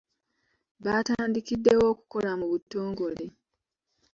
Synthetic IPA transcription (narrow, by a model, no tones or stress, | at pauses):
βaːtaːndikidːe̞wo̞ːku̥ko̞lamuβutːo̞ːŋɡo̞le̞